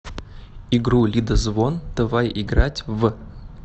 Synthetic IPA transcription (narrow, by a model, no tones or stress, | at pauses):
iɡɾulʲid̪əzvond̪̥əvajiɡɾatʲvə